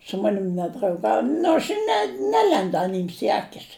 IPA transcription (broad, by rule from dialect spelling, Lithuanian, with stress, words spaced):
sʊ ˈmɑːnʲɪm nʲɛdrɐʊˈɡɐʊj ˈnʊ ɐʃ ɪ nʲɛ ˈnʲæːlʲɛndʊ ˈɑːnʲiːms ɪ ˈɑːkʲɪs